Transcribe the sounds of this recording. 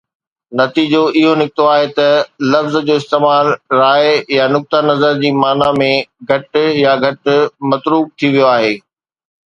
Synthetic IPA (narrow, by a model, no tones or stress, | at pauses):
nɐt̪iːd͡ʑoɪɦonɪkɪt̪oaːɦet̪ɐlɐfzd͡ʑoːɪst̪eːmaːlɾaːɪjanʊk̚t̪anɐzəɾd͡ʑiːmaːnamẽɡʱɐʈjaɡʱɐʈmɐt̪ɾuːb̚t̪ʰiʋijoaːɦeː